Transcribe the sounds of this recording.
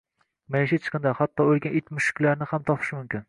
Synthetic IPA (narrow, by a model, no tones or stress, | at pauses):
majɪʃɪt͡ʃʰɨ̥qʰɨnd̪ahɑt̪ːɒolˠɡʲanʔet̪mʊʃɪ̥kʲlaɾnɪhamt̪ʰɒpʰɨ̥ʃmʊmkʲɪn